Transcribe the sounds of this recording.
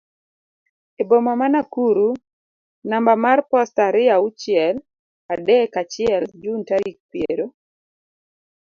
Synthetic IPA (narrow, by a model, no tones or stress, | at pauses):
ebomamanakuɾu | nambamarpɔstaɾɪaut͡ʃɪɛl | adɛkat͡ʃɪɛld͡ʒuntaɾik̚pjeɾo